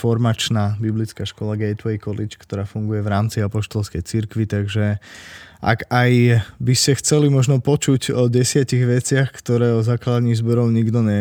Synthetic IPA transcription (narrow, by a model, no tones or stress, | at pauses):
fɔɾmat͡ʃnaːbiblit͡skaːʃkɔlaɡɛjt̪ʋɛjkɔlit͡ʃkt̪ɔɾaːfuŋɡujɛʋɾaːmt͡siapɔʃt̪ɔlskɛjt͡siɾkʋit̪aɡʒɛ | ʔa̰ɡajbiscɛxt͡sɛlimɔʒnɔpɔt͡ʃuɟɔɟɛsɪaciɣʋɛt͡sɪaxkt̪ɔɾɛːɔzaklad̪aɲiːzbɔɾɔʊɲiɡd̪ɔɲɛ